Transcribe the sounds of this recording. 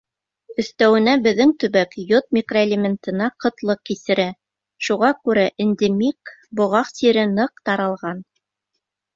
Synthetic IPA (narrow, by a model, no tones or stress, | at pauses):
ɵ̆θt̪æwɘ̆næbɘ̆ðːɘŋt̪ɵ̆βækjot̪̚mʲɪkroelʲemʲent̪ɤ̆nɑqɤ̆t̪lˠɤq̚kisɘ̆ɾæ | ʃuʁɑkʉɾæʔend̪emikbŏʁɑqsiɾɘnɤq̚t̪ɑɾɑlˠʁɑn